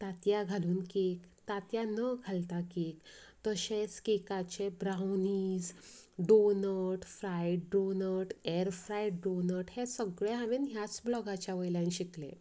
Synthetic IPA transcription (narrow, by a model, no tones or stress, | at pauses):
t̪at̪jaɡʱaluːnkekt̪at̪janəɡʱalt̪akekt̪əɕẽskikat͡ɕebɾawniːd͡zɖonəʈfɾajɖɖonəɾʈɛɾfɾajʈɖonəʈhesəɡɭeɦaʋenɦjat͡sblɔɡat͡ɕjaʋəjlãjnɕiklḛ̃